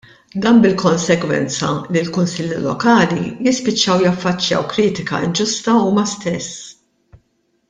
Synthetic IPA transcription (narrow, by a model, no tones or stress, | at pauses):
d̪ɐmbɪlkɔnsɛɡwɛ̰nt͡sɐ̰lilkʊnsɪlːilɔ̰kɐːlijɪspɪt͡ʃːɐwjɐfːɐt͡ʃːjɐ̰wkɾiːt̪ɪkɐ̰ɪnd͡ʒʊst̪ɐuːmɐst̪ɛsː